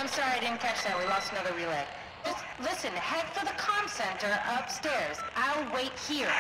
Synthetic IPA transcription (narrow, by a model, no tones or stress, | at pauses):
ãɪ̃msɑɹiaɪɾɪdⁿn̩kʰæt͡ʃðɨt̚wilɔstənʌðə˞ɹilɛk̚ | d̥ʒ̥ʌstlɪsɨ̃nhɛd̥fə˞ðəkʰɑ̃msɛ̃ntə˞ʔʌpstɛɹzʔaɪlˠweɪt̚hiɹ